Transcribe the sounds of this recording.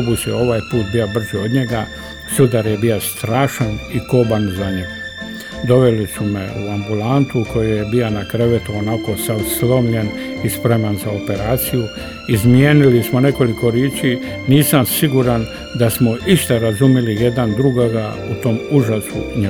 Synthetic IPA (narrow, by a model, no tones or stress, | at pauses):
busjeo̞ʋaːjpuːt̪̚bijobr̩zeo̞d̪ɲe̞ɡa | sud̪aɾjebiost̪ɾaːʃaniko̞ːbanzaɲeɡ | d̪o̞ʋe̞lisume̞uambulant̪uko̞jejebianakɾeʋe̞t̪uonako̞saslˠo̞mʎe̞nispɾe̞manzao̞pe̞ɾaːt̪siju | izmjeːnilismone̞ko̞liko̞ɾjeːt͡ʃi | niːsamsiɡuɾan | d̪asmoiʃt̪aɾazumjelije̞d̪and̪ɾuɡoɡa | ut̪o̞ːmuʒasṵɲe